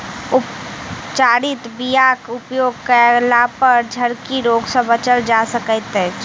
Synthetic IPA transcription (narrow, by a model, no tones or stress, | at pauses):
ʊpt͡ʃaːɾɪt̪bijaːkʊpjoːɡ̚kəlapəɾd͡ʒʱəɾkiɾoːɡsə̃bət͡ʃəld͡ʒaːsəkət̪ɦɛ̃